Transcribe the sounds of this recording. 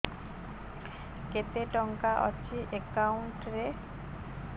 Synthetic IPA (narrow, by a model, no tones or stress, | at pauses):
ket̪eʈɔŋkaʔɔ̰t͡ɕiʔekauɳʈɾe